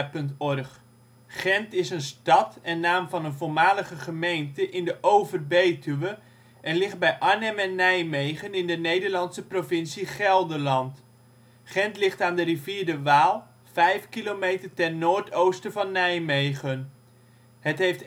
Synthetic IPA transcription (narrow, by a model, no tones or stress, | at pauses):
pɵntɔrχ | χɛntɪsənstɑtɛnːaːmvɑnənvolmaːləχəχəmejntəʔɪndəʔowvərbejtyʋə | ʔɛnlɪχd̚bɛjʔaɹnɛmɛnːɛjmejχənɪndənejdəɹlɑnsəprovɪnsiχɛlˠdəlɑnt | χɛntlɪχtaːndəɾiviːɹdəʋaːlˠ | v̥ɛjfkilowmejtərtɛrnoːɹtʰowstəvɑnːɛjmejχən | ɦətɦejft